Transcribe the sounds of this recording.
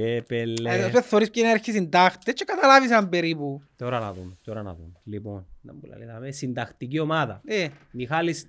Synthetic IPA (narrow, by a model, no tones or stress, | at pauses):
epelːeθːoɾispceneɐɾçisind̪ɐxt̪et͡ʃʰːekɐt̪ɐlavis̬ɐmbeɾiput̪oɾɐnɐ̰ðumt̪oɾɐnɐ̰ðṵmliponnɐ̰mbulɐ̰liðɐmesind̪ɐxt̪iciomaðɐ̰emixalis